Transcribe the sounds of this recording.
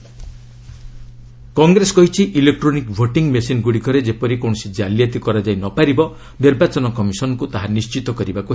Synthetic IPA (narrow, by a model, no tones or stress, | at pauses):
kɔŋɡɾesɔkɔɦit͡ʃʰiʔilek̚ʈɾonikbʱoʈiŋmesinɡuɽikɔɾed͡ʒepɔɾikoɳ̃ɔsid͡ʒaljat̪ikɔɾad͡ʒajnɔpaɾibɔ | niɾbat͡ʃɔnɔkɔmisɔnɔkut̪aɦanist͡ʃit̪ɔkɔɾibaku